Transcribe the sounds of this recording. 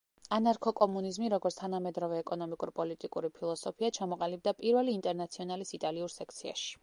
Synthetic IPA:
anaɾkʰɔkʼɔmunizmiɾɔɡɔɾt̪st̪ʰanamɛd̪ɾɔvɛːkʼɔnɔmikʼuɾpʼɔlit̪ʼikʼuɾipʰilˠɔsɔpʰiat͡ʃʰamɔqʼalib̚d̪apʼiɾvɛliːnt̪ʼɛɾnat̪sʰiɔnalisit̪ʼaliuɾsɛkʰt̪sʰia̰ʃi̥

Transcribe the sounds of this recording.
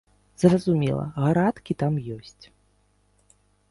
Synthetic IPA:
z̥rɐzumʲɛlˠɐ̰ɣaɾat̪kʲit̪amjɔsʲt͡sʲ

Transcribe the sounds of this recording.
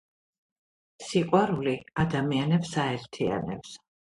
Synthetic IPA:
siqʼwaɾuliad̪amianɛpsaɛɾt̪ʰia̰nɛ̰ps

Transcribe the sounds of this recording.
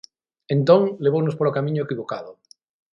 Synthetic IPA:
ẽnt̪oŋleβ̞ownospoɾokamĩɲoekiβokaðo

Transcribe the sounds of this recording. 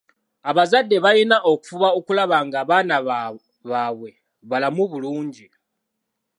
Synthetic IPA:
aβazadːe̞βajinaʔo̞ku̥fuβaokulaβaŋɡaːβaːna | βaːβwe̞ | βalamuβuluːɲɟi

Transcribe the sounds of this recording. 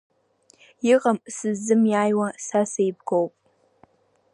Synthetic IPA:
ɪʁɐmsɨzːɨmjaːjwasasejb̚ɡowpʼ

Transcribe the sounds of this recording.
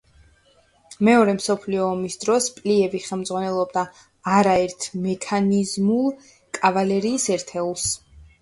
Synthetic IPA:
mɛɔɾɛmsɔpʰliɔːmisd̪ɾɔspʼliɛviχɛlˠmd̪zʁwanɛlˠɔbd̪aː | ɾaɛɾt̪ʰmɛkʰanizmulˠ | kʼavalɛɾiːsɛɾt̪ʰɛulˠs

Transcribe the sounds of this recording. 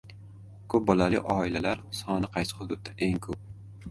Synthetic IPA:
kʰɵp̚bɒlalɪ̰ʔɒɪlalaɾsɒnɪqʰɑjsɪ̥hʊd̪ʊd̪̚d̪aʔeŋkʰɵp̚

